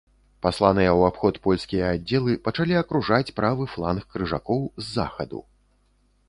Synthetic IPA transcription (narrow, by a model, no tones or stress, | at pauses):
paslˠanɨjɐwapxɔt̪pɔlʲskʲijɐad͡zʲːɛlˠɨpɐt͡ʂalʲiɐkɾuʐat͡sʲpɾavɨflˠanxkɾɨʐa̰kɔwzːa̰xɐd̪ṵ